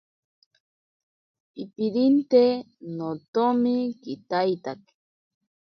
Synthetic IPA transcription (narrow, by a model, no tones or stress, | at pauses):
ipiɾint̪e | not̪omikit̪ajt̪ak